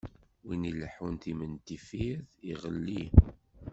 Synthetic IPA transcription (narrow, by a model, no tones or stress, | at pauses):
winiləħunt̪imənt̪ifiðiʁəlːi